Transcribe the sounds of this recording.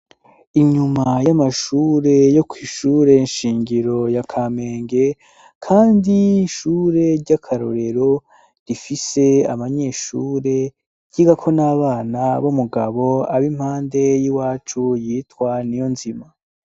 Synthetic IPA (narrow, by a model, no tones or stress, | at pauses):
iɲumajamaʃuːɾe̞jo̞kʰwiːʃuːɾe̞nʃiːɲɡiɾo̞jakʰaːme̞ːŋɡe̞ | kʰaːndiʃuːɾe̞ɾɟakʰaɾo̞̰ɾe̞ɾo̞ | ɾifise̞a̰βaɲe̞ːʃuːɾe̞ | ɟ̥iɡakʰo̞naːβaːnaβomuɡaβo̞aβim̥haːnde̞jiwaːt͡ʃujitkwanijo̞nzima